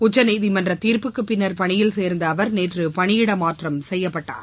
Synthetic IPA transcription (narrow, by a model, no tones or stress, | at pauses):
ʊt͡ʃːɐnɛɪðimɐndrɐt̪iːɾpɯkːɯpːɪnːɐɾpɐɳɪjɪlseːɾnd̪ɐːʋɐɾneːtrɯpɐɳɪjɪɽɐmaːʈrɐmsɛjːɐpːɐʈːa̰ːɾ